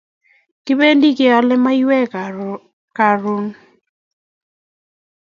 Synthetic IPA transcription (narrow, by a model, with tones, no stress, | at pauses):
kɪ˦be˦ndi˦kɪ˨ɔ˨˦lɛ˦ma˦i˦wɛ˦ | ka˨ɾu˦n